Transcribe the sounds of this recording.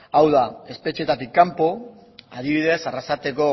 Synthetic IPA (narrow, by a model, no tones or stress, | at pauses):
awðae̞spe̞t͡ʃiet̪at̪ikːampo̞ | aðiβiðe̞sarasat̪e̞ko̞